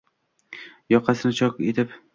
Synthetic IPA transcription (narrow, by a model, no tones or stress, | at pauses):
jɒqʰːɑsɪnɪt͡ʃʰɒket̪ʰɪp